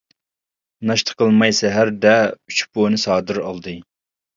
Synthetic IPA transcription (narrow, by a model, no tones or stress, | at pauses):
nɑʃt̪ʰə̥qʰəlˠmɑjsɛɦæɾd̪ɛyt͡ʃbonɨsɑːd̪ɨɾɑlˠd̪ɨ